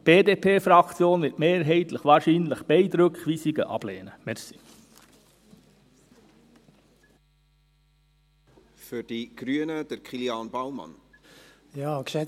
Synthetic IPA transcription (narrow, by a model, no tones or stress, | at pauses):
b̥eːdeːpʰeːfɾɑkt͡sjoːnʋɪtmeːɾɦɛɪt̪ləχʋɑːɾʃiːnləχb̥ɛɪd̪ɾɵkχʋiːsiɡə̰ʔɑ̰b̥leːnəmɛɾsi̥ | fyɾd̥iɡ̥ɾyənəd̥əɾkχiljɑːnbawmɑ̰n | jɑːkʃɛ